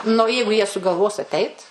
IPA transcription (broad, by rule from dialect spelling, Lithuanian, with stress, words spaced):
nʊ oː ˈjɛɪɡʊ jiɛ sʊɡɐlˠˈʋoːs ɐˈtʲɛɪt